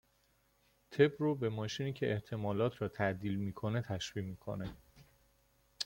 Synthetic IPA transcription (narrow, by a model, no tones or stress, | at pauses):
t̪ʰe̞bruːbe̞mɒːʃiːniːcʰe̞ʔeht̪ʰe̞mɒːlɒːt̪ʰɾɒːt̪ʰæʔd̪iːlmiːkʰo̞ne̞t̪ʰæʃviːmiːkʰo̞̰ne